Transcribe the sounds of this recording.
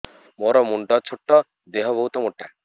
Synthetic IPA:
moɾɔmuɳɖɔt͡ʃʰuʈːɔ | d̪eɦɔbɔɦut̪ɔmuʈːa

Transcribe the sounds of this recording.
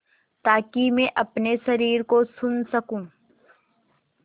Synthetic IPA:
t̪aːkimẽʔɐpnesɐɾiːɾkosʊnsɐkũː

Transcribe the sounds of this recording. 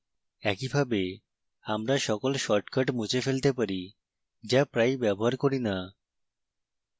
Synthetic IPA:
ɛkibʱabe | amɾaʃɔkolʃɔɾʈkaʈmut͡ɕefelt̪epaɾi | d͡ʑapɾajbɛboɦaɾkoɾina

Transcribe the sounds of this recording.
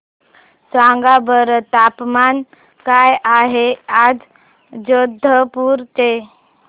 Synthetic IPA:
sʋãŋɡabəɾt̪apman | kajaɦead͡z | d͡ʒod̪ʱːəpuɾt̪e

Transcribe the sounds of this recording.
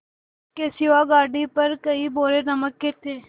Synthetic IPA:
keːsɪʋaːɡaːɖiːpəɾkəiːboːɾeːnəməkːɪt̪eː

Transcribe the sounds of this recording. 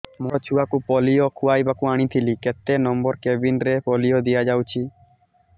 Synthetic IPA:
mɔt͡ʃʰuakupɔlijokʰuajbakuaɽ̃it̪ʰiliket̪ːenɔmbɔɾkebinɾepɔlijod̪ijad͡ʒawt͡ʃʰi

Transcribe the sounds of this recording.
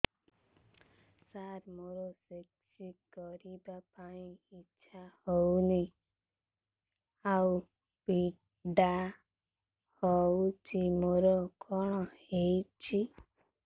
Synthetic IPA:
saɾmoɾɔseksikɔɾibapaĩiʃʰahɔwni | au | pi | ɖa | hɔut͡ʃʰimoɾɔkɔɽ̃ɔhejt͡ʃʰi

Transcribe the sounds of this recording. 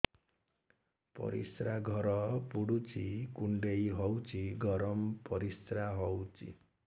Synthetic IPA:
pʌ̰ɾḭsraɡʱʌɾʌpuɽut͡sikuɳɖejɦʌwt͡siɡʌɾʌmpʌɾisraɦʌwt͡sḭ

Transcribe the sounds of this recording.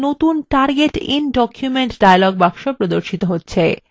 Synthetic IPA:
not̪unʈaɾɡeʈḭnɖɔkʰjumeɳʈɖajalɔɡbabʃopɾod̪oɾʃit̪oɦotːɕʰe

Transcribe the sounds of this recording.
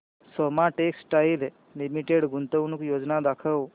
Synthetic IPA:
sɔmaʈeksʈajil | limiʈeɽɡʱunt̪əwnuːkjod͡znad̪akʰəw

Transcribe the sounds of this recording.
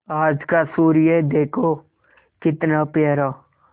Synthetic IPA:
aːd͡ʒkasuːɾijed̪eːkʰo | kɪt̪napaːɾa

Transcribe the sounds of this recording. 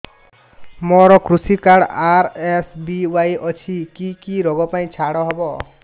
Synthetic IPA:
mɔɾɔkɾusikaɽaɾesbiwajʔɔt͡ʃʰikikiɾɔɡɔpaj̃t͡ʃʰaɽɔɦɔbɔ

